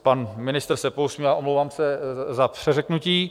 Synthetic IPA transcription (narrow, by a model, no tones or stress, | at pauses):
panmɪnɪst̪rsɛpowsmiaːʔomlowvaːmsɛzapr̝̥ɛrɛknuciː